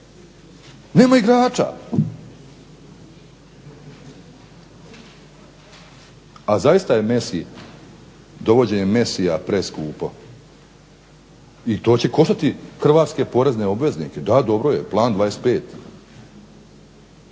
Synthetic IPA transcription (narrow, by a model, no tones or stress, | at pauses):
ne̞ːmaiɡɾaːt͡ʃa̰ | azajist̪aje̞mesḭ | d̪o̞ʋo̞d͡ʑe̞ɲemesijapɾeskuːpo̞ | it̪o̞ːt͡ɕe̞ko̞ʃt̪at̪ixr̩ʋaːt̪ske̞po̞ɾezne̞o̞bʋe̞znike̞d̪ad̪o̞bɾojeplˠaːnd̪ʋaːɾest̪pe̞ːt̪